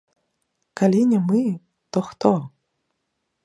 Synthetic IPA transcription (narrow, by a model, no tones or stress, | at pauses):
kalʲinʲɛmɨ | t̪ɔxt̪ɔ